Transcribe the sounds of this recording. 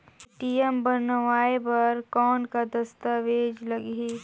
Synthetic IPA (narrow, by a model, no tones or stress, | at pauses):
ʈijembənʋaːebɐɾkɔːnkad̪ɐst̪aʋeːd͡ʒlɐɡɦi